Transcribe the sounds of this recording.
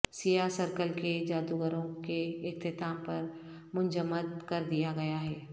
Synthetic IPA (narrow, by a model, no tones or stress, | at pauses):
sijasəɾkəlked͡ʒaːd̪uɡəɾõkeɪkt̪ɪt̪aːmpɐɾ | mʊ̃ɲd͡ʒəmːəd̪kɐɾd̪ijaɡɐjaɦɛː